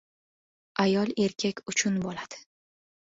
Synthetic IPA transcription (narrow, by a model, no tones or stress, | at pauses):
ajɒlˠe̞ɾkʲʰakʲʊt͡ʃʰʊnbolad̪̥ɪ̥